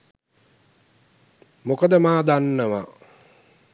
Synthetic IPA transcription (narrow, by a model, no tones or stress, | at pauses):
mokəd̪əmaːd̪anːəʋa